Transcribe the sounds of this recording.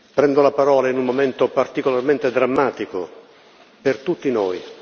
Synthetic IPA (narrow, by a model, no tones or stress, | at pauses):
pɾɛnd̪olapaɾɔːlainummomɛnt̪opart̪ikolarment̪ed̪ɾamːaːt̪iko̰ | pert̪ut̪ːinɔːj